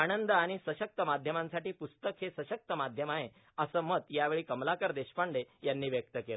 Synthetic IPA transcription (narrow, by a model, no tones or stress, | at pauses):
aɽənd̪əaɽ̃isəɕək̚t̪əmad̪ʱjəmãnsaʈiːpust̪əkhesəɕək̚t̪əmad̪ʱjəmaɦe | əsəːmət̪jaʋeɭiːkəmlakəɾd̪eɕpaɳɖejanːiːʋjək̚t̪əkelə